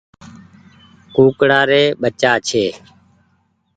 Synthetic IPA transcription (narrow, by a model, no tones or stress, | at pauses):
kuːkɽaːɾeːɓət͡ʃaːt͡ʃʰeː